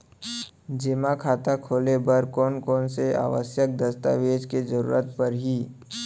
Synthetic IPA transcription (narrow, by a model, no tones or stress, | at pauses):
d͡ʒeːmakʰaːt̪akʰoːlebəɾkɔːnkɔːnsea̰ːʋə̰sjək̚d̪əst̪a̰ʋeːd͡ʒkezəɾṵːɾət̪̚pəɾɦiː